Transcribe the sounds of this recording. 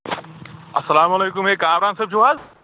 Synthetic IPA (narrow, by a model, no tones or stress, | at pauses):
ɐsɐlaːmɐleːkʊmɦeːkãːɾaːnsɐb̚t͡ʃʰuaːz